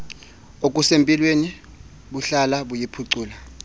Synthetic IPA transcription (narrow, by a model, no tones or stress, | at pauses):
ok̬ʼusempʼilweni | ɓuɬalaɓujipʰuǀuːla